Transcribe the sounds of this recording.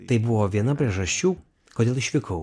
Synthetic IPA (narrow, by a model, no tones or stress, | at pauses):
t̪ɐɪbʊʋoːʋʲiɛnɐpʲɾʲiɛʒɐsʲt͡ʃʲuː | koːd̪ʲeːlˠɪʃʲʋʲɪkɐʊ